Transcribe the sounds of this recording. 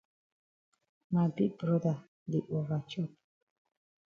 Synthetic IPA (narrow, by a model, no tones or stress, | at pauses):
mabibɾɔd̪a | liʔɔʁat͡ʃʰɔp̚